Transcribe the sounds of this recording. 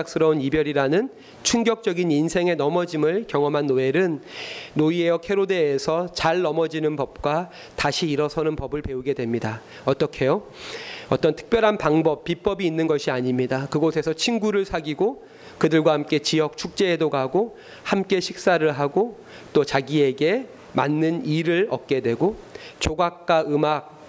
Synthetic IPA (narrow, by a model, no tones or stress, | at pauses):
k̚s͈ɯɾʌunibjʌɾiɾanɯn | t͡ɕʰuŋɡjʌk̚t͡ɕ͈ʌɡininsʰe̞ŋe̞nʌmʌd͡ʑimɯɭkjʌŋʌmɦanːoe̞ɾɯnːoie̞jʌkʰe̞ɾodeːsʰʌt͡ɕaɭːʌmʌd͡ʑinɯnpʌp̚k͈wa | taɕʰiːɾʌsʰʌnɯnpʌbɯɭpe̞uɡe̞dwe̞mɲida | ʌt͈ʌkʰe̞jo | ʌt͈ʌntʰɯ̥k̚p͈jʌɾɦanpaŋbʌpp͈ːip͈ʌbiːnːɯnɡʌɕʰiaɲimɲidakɯɡosʰe̞sʰʌt͡ɕʰinɡuɾɯɭsʰaɡiɡo | kɯdɯɭɡwahamk͈e̞t͡ɕijʌk̚t͡ɕʰuk̚t͡ɕ͈e̞ːdoɡaɡo | hamk͈e̞ɕʰik̚s͈aɾɯɭɦaɡo | t͈ot͡ɕaɡie̞ɡe̞ | ma̰nːɯniɾɯɭʌk̚k͈e̞dwe̞ɡo | t͡ɕoɡak̚k͈aɯmak̚